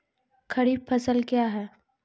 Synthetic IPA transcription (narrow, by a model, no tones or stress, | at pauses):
kʰɐɾiːbpʰɐsəlkjaɦɛː